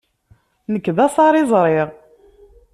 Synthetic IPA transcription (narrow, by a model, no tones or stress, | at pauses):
nəkːðɑsˤɑɾˤɪzˤɾˤɪʁ